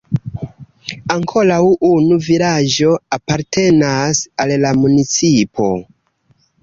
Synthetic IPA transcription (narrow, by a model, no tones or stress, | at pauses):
aŋkʰo̞lawunuvilad͡ʒo̞apaɾtʰe̞nasallamunit͡sipʰo̞̰